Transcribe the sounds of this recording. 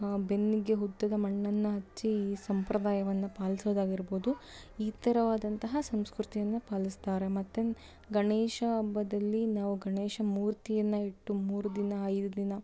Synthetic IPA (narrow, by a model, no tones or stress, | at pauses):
be̞nːiɡe̞ɦud̪ːɐd̪ɐmɐɳːɐnːɐɦɐt͡ʃːiːsɐmpɾɐd̪aːjɐʋɐnːɐpaːlisoːd̪aːɡiɾboːd̪u | iːt̪ɐɾɐʋaːd̪ɐnt̪ɐɦɐsɐmskɾut̪ijɐnːɐpaːlist̪aːɾe̞mɐt̪ːe | ɡɐɳeːʃɐːbːɐd̪ɐlːinaːʋuɡɐɳeːʂɐmuːɾt̪ijɐnːɐiʈːumuːɾud̪inɐːjd̪ud̪inɐ